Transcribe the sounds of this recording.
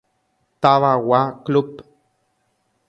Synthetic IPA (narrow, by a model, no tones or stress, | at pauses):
t̪aβawaklup